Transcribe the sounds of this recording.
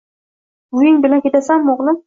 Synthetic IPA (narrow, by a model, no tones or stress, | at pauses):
ʊjɪŋbɪlankʲʰet̪asamːoʁlˠɪm